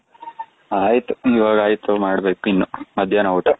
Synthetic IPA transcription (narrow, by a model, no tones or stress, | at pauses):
aːjit̪uiʋaːɡaːjit̪umaːɽbeːkuinːumɐd̪ʱjanɐwuʈɐ